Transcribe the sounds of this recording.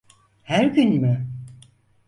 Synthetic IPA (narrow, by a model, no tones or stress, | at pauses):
hæɾɟynmʏ